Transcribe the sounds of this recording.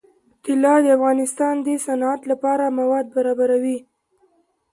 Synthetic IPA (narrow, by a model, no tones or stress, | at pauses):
t̪ɪlɑd̪əafɣɑnɪst̪ɑnd̪əsanɑat̪lapɑɾamawɑd̪̚baɾɑbaɾawi